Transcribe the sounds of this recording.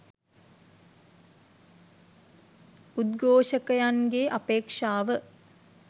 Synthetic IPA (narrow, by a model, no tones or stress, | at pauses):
ud̪ɡoːʃəkəjanɡeʔapeːkʂaːʋə